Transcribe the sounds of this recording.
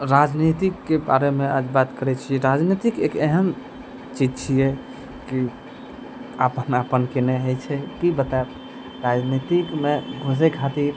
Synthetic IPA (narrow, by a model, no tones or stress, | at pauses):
ɾad͡ʒnit̪ikːeba̰ɾemead͡ʒbat̪kəɾɛt͡ʃʰijɛɾad͡ʒnit̪ikekeɦəm | t͡ʃid͡ʒt͡ʃʰijɛ | ki | apənapənkeneɦət͡ʃʰɛkibət̪at̪ | ɾad͡ʒnit̪ikmeɡʱos̬ekʰat̪iɾ